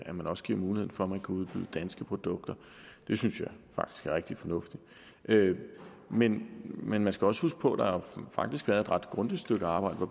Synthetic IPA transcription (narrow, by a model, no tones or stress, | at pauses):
æmænɒ̽sɡ̥iɐ̰muːlie̝ð̰̩ˠfɒ̽æmænkʰuuð̞ˠb̥y̰ːðˠd̥ænsɡ̥əpʰʁo̝d̥ɔ̽ɡ̥̚d̥ɐ | d̥e̝synsjɑ̈ɪfɑ̈ɡ̥d̥i̥sɡ̥æʁeɡ̥d̥i̥fɒ̽nɔ̽fd̥i | ʔø | menmenmænsɡ̥æɒ̽sə̥husɡ̥ə̥pʰɒ̽d̥ɑ̈hæfɑ̈ɡ̥̚d̥isɡ̥ʋæɐðˠe̝d̥ʁɑd̥ɡ̥ʁɔ̽nd̥isd̥øɡ̥əɑ̈ːb̥ɑ̈ɪ̰d̥əʋɒ